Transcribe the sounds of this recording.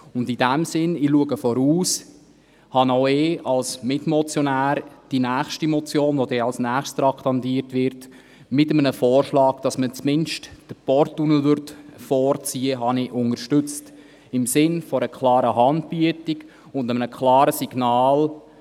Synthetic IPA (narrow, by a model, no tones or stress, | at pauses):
ʊndidæmsɪnɪluəɡəfɔɾuːs | hɑnoʊɪːʔɑlsmɪtmɔt͡sjɔnæːɾd̥inæːχʃtimɔt͡sjoːnʋodɛɑlsnæːχststɾɑkthɑndiːəɾtʋɪɾt | mɪtəmənəfɔːrʃlɑːɡd̥ɑsmət͡smɪnʃtd̥əpɔɾtːunəl̩ʋʏɾtfɔːɾt͡siːəɦɑnɪʔʊŋəɾʃtʏt͡st | ɪmsɪnfɔɾəkʰlɑːɾəɦɑnd̚b̥yətiɡ | ʊndəmənəkʰlɑːɾəsiɡ̥nɑːl